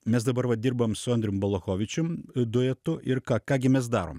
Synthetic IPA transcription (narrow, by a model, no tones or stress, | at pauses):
mʲɛsd̪ɐbɐɾʋɐd̪ʲiɾbɐmsʊɐnd̪ʲɾʲʊmbɐlˠoːxoːʋʲɪt͡ʃʲʊmd̪ʊɛt̪ʊʔɪrkɑːkɑːɡʲɪmʲɛs̬d̪ɑːɾo̰ːm